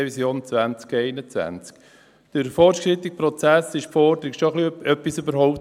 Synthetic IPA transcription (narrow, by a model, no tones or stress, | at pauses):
evisjoːnt͡sʋænt͡skɛɪnət͡sʋæ̰nt͡sk | d̥əɾfɔɾt͡ʃkɾit̪ɪk̚pɾɔt͡sæsɪʃpfɔɾdəɾɪkʃɔχliœpːisøbəɾɦɔʊp̚t